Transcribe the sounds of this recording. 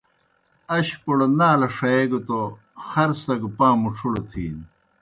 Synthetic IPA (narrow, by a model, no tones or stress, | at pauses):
ɐɕpoɽonaːlɐʂɐeɡot̪o | xɐɾsɐɡupaːmuʈ͡ʂʰuɽot̪ʰḭːn